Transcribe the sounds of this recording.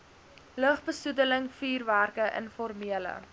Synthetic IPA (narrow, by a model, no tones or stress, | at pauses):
ləχbəsudələŋfiːrværkəʔə̰nfɔrmiələ̰